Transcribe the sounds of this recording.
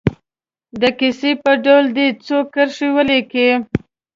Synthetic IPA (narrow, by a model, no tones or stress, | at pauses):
d̪əkisepəɖawld̪it͡sokːəɾʂiwəleke